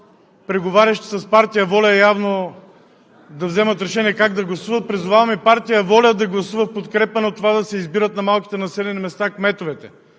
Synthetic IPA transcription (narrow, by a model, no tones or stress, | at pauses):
pɾɛɡovaɾʲɐʃt̪i̥sɐspaɾt̪ijəvɔlʲəɛjavno | d̪ɐvzɛmɐt̪ɾɛʃɛniɛkaɡd̪ɐɡlˠɐsuvɐt̪̚pɾizuvavɐmipaɾt̪ijəvɔlʲəd̪ɐɡlˠɐsuvəfpot̪kɾɛpənɛot̪ːovad̪ɐsɛizbiɾət̪nɐmalˠkʲi̥t̪ɛnɐsɛlɛnimɛst̪akmɛt̪ovɛt̪ɛ